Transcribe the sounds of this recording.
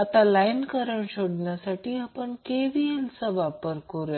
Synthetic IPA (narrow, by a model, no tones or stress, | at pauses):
at̪alajnkəɾəɳɕoɽɳjasaʈiːapəɳkeʋielsəʋapəɾkoɾe